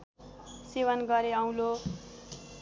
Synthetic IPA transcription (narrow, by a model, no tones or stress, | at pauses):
sewʌnɡʌɾeaw̃lo